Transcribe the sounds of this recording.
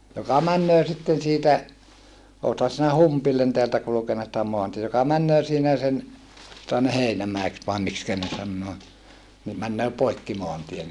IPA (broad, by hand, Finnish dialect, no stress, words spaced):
jokɑ mænːøː sitːen siːtæ oːthɑ sinæ humpilːen teæltæ kulŭkenːɑ sitæ moɑntie jokɑ mænːøː siːnæ sen jŏtɑ ne heinæmæeks ʋɑe mikskæ ne sɑnːoː ni mænːøː poikːi moɑntien